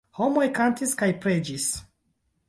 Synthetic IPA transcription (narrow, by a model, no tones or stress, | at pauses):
homojkantiskajpɾed͡ʒis